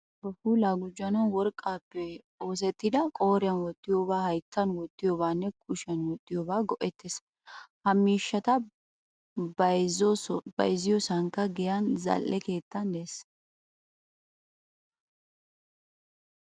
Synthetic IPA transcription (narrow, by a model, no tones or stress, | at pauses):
bɐfuːlaːɡʊd͡ʒːɐnɐnwɔɾkʼːaːpːɛ | o̞ːs̬ɛt̪ːɪd̪ɐkʼo̞ːɾɪjɐnwɔt̪ʼːɪjobaːhɐjt̪ʰːɐnwɔt̪ːɪjobaːnːɛkʼʊʃɐnwɔt̪ʼːɪjoːbaːɡɔʔɛt̪ʰːeːs | hɐmːiːʃːɐt̪ɐ | bɐ | bɐ̰jzɪjɔsɐŋkːɐɡɪjɐnzɐ̰lʔɛke̞ːt̪ːɐnd̪es